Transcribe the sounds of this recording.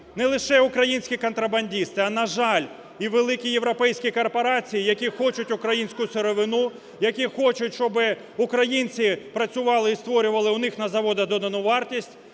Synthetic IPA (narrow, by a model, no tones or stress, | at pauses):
nɛlˠɪʃɛʊkɾɐjinʲsʲkʲikɔnt̪ɾɐbɐnʲdʲist̪ɪɐnɐʒɑlʲ | iʋelˠɪkʲije̞ʋɾɔpɛjsʲkʲikɔrpɔɾɑt͡sʲijijɐkʲixɔt͡ʃʊtʲʊkɾɐjinʲsʲkʊsʊɾɔʋɪnu | jɐkʲixɔt͡ʃʊtʲʃɔbɪ | ʊkɾɐjinʲt͡sʲipɾɐt͡sʲʊʋɑlˠɪist̪ʋɔɾʲʊʋɐlˠɪʊnɪxnɐzɐʋɔd̪ɐd̪ɔd̪ɐnʊʋɑrtʲisʲtʲ